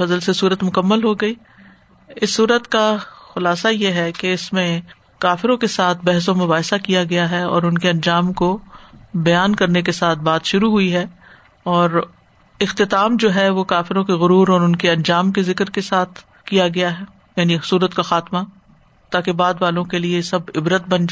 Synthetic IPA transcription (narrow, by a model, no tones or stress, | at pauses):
fɐzəlsesuːɾət̪mʊkəmːəlɦoɡɐiː | ɪsːuːɾət̪kaxʊlaːsajeɦɛkeɪsmẽ | kaːfɪɾõkesaːt̪ʰbɛɦs̬õmʊbaːɦsakijaɡɐjaɦɛɔ̰ːɾʊnkeɐ̃nd͡ʒaːmko | bɐjaːnkɐɾnekesaːt̪̚ʰbaːt̪ʃʊɾuɦuiɦɛː | ɔːɾ | ɪxt̪ɪt̪aːmd͡ʒoːɦɛʋokaːfɪɾõkeɣʊɾuːɾɔːɾʊnkeɐ̃nd͡ʒaːmkezɪkɾkesaːt̪ʰ | kijaɡɐjaɦɛ | jaːnisuːɾət̪kaxaːt̪ma | t̪aːkebaːd̪ʋaːlõkeliesɐbɪbɾət̪̚bɐ̃nd͡ʒ